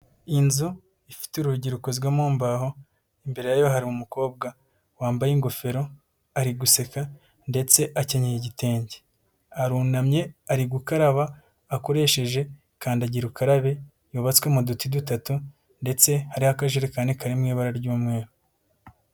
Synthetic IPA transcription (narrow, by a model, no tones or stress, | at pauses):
inzu | ifi̥tuɾuuɟiɾukozɡwamuːmbaho̞ | imbe̞ɾe̞jajo̞ɦaɾimumuko̞ːb̚ɡa | waːmbajiŋɡo̞fe̞ɾo̞ | aɾiɡuse̞ka | nde̞t͡se̞ʔaceɲejeɟite̞ːɲɟe | aɾuːnamɲe̞aɾiɡukaɾaβaː | ko̞ɾe̞ːʃe̞ʒe̞ | kaːndaɟiɾukaɾaβe̞ | joːβat͡skwemudutidutatu | nde̞t͡se̞haɾihakaʒeɾekaːndikaɾimŋiːβaɾaɾɟuːmŋe̞ːɾu